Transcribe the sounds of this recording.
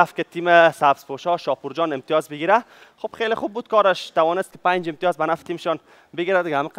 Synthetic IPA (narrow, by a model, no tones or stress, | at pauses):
afkɪt̪imesabspoʃɔʃɒpuɾd͡ʒɔnɪmt̪ijɔzbɪɡiɾa | xob̥χelɪχub̚ːud̪̥̚kɔɾɪʃt̪awɔnɪst̪kɪ̥pand͡ʒɪmt̪ijɔzbanaft̪imɪʃɔn | bɪɡiɾad̪ɪɡaamiq